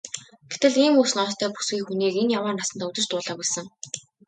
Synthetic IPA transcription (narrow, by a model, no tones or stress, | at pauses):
ɡ̥et̪ɘ̆ɮiːmuːs̆nɔst̪ʰœːpu̥sɡiːxuniːkenjawaːrnasə̆nt̪ɔːɵt͡s̪ɘ̆t͡ɕt̪ʊːɮaːpæɮsə̆ŋ